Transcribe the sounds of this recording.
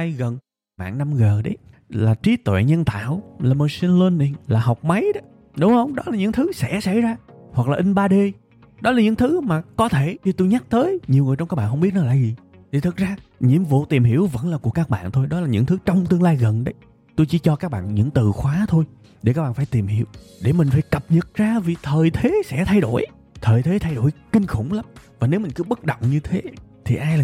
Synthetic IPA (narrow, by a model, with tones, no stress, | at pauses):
jɣə˨˩n | ma̰ː˧˨ŋna˧mɣəː˨˩ɗə˨˦jlaː˨˩t͡ɕi˨˦t̪wɛ̰˧˨ɲə˧nt̪a̰ː˧˨wlaː˨˩mo˧si˧nlə˧nːi˧˩ŋlaː˨˩ɦɔ˨˩wk͡p̚ma˨˦jɗɔ˨˦ | ɗʊ˨˦ŋ͡mhə˧wŋ͡mɗɔ˨˦laː˨˩ɲɨ̰˧˥ŋt̪ʰɨ˨˦sɛ̰˧˩˥sa̰˧˥jzaː˧hwa˨˩k̚laː˨˩ʔï˧ŋ̟ɓaː˧ɗe˧ | ɗɔ˨˦laː˨˩ɲɨ̰˧˥ŋt̪ʰɨ˨˦maː˨˩kɔ˨˦t̪ʰe˧˩ɲi˧˩t̪u˧jɲa˦˥k̚t̪əː˨˦jɲi˨˩əwŋ˨˩t͡ɕɔ˧ŋ͡mkaː˦˥ɓaː˧˨nhə˧wŋ͡mɓt̚nɔ˨˦la̰ː˧˨zi˨˩ | t̪ʰi˨˩t̪ʰɨ˨˩k̚zaː˧ɲḭ˧˨əmvṵ˧˨t̪i˨˩mhi˧˩əwvə̰˧˥nlaː˨˩ku˧˩əkaː˦˥k̚ɓa̰ː˧˨nt̪ʰo˧jɗɔ˨˦laː˨˩ɲɨ̰˧˥ŋt̪ʰɨ˨˦t͡ɕɔ˧wŋ͡mt̪ɨ˧əŋlaː˧jɣə˨˩nɗə˨˦j | t̪o˧jt͡ɕi˧˦t͡ɕɔ˧kaː˦˥k̚ɓa̰ː˧˨nɲɨ̰˧˥ŋt̪ɨ˨˩xwaː˨˦t̪ʰo˧j | ɗe˧˩kaː˦˥k̚a̰ː˧˨˩faː˧˩jt̪i˨˩mhḭ˧˩˨əwɗe˧˩mï˨˩ŋ̟faː˧˦jkə˨˩p̚ɲə˨˩t̚zaː˧vi˨˩t̪ʰəː˨˩jt̪ʰe˨˦sɛ̰˧˥t̪ʰa˧jɗo˧˩j | t̪ʰəː˨˩jt̪ʰe˨˦t̪ʰa˧jɗo̰˧˩jkï˧ŋ̟xʊ̰˧˩wŋ͡mla˨˦mvaː˨˩ne˨˦wmï˨˩ŋ̟kɨ˨˦ɓə˦˥t̚ɗə̰˧˨wŋ͡mɲɨ˧t̪ʰe˨˦t̪ʰi˨˩ʔaː˧jlː